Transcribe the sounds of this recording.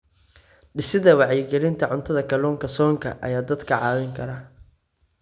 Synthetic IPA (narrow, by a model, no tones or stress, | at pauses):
ɖɪsɪðɐwɑʕjɪɡɛlɪnt̪ʰɐʕʊnt̪ʰɐðɐkʰɐlɔːŋkʰɐsɔːŋkʰɐ̰ʔɐ̰jaːd̪ɐd̪kʰɐʕɑːwɪŋkʰɐɾaː